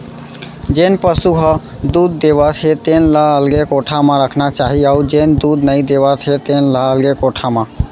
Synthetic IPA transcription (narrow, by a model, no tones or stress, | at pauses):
d͡ʒenpəsuɦə | d̪ud̪̚ːeβət̪ʰɦet̪enləəlɡekoʈʰamãɾəkʰnat͡ʃaɦiaud͡ʒend̪ud̪nəid̪eβət̪ʰɦet̪enləəlɡekoʈʰamã